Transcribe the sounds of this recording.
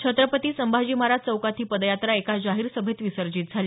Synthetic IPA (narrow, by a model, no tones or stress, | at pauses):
t͡ɕʰət̪ɾəpət̪iːsəmbʱad͡ʑiːmaɾat͡səwkat̪ʰiːpəd̪jat̪ɾaekad͡ʑaɦiːɾsəbʱet̪ʋisəɾd͡ʑiːt̪̚d͡zʱaliː